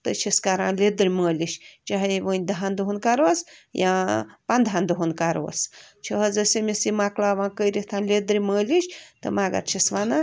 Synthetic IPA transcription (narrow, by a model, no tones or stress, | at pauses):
t̪ət͡ʃʰiskaɾã̰ːnled̪ɾiməːliʃt͡ʃaɦiʋənʲd̪aɦand̪uɦunkaɾəsjãpand̪ʱɦand̪uɦunkaɾə̰st͡ʃʰəɦəzɐsemʲisimaklaːʋãːnkəjɾiht̪ʰaːnlʲed̪ɾiməːliʃʲt̪ə̰maɡa̰t̪t͡ʃʰisʋana